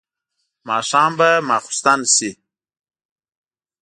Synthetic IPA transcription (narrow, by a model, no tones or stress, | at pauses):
mɑːʂɑːmbamɑːxʊ̥st̪ansi